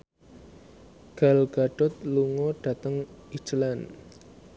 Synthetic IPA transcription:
ɡ̥a̤lɡ̥a̤ɖ̥ɔ̤t̪̚luŋɔɖ̥a̤t̪əŋi̥t͡ʃlan

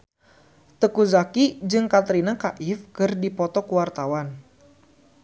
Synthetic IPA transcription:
t̪əkuzakid͡ʒɨŋkat̪ɾinakaʔɪfkɨrdipɔt̪ɔkuwart̪awan

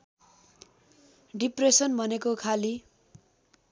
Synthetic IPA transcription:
ɖipresʌnbʱʌnekokʰali

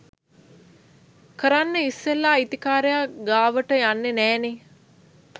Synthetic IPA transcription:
kəɾanːəisːelːaːit̪ikaːɾejaɡaːʋəʈəjanːenɛːne

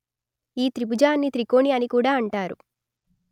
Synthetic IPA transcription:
iːt̪ɾibud͡ʒaːnːit̪ɾiko̞ːɳiɐnikuːɽaːɐɳʈaːɾu

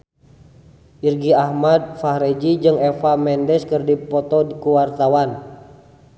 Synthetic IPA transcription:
ʔirɡiahmad̚fahɾɛd͡ʒid͡ʒɨŋɛfamɛndɛskɨrdipɔt̪ɔkuwart̪awan

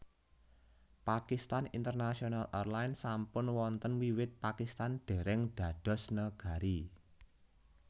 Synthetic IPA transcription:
pakist̪anint̪ərnasionalɛrlaɪnsampʊnwɔnt̪ənwiwɪt̪̚pakist̪anɖ̥e̤ɾɛŋɖ̥ä̤ɖ̥ɔ̤snəɡ̥a̤ɾi

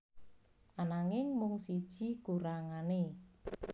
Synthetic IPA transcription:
ʔanaŋɪŋmʊŋsid̥ʒ̥i̤ɡ̥uɾaŋane

